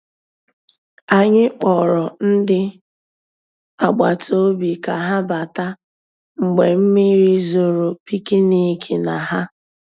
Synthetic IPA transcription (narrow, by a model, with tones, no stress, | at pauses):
a˨ɲɪ˦k͡pɔ˨ɾɔ˨n̩˦dɪ˦ | a˨ɡ͡ba˨to˦bi˨ka˨ɦa˦ba˨ta˦ | ŋ͡m̩˨ɡ͡be˨m̩˦mi˦ɾi˦zo˨ɾo˨pi˦ki˦ni˦kʰe˨na˨ɦa˦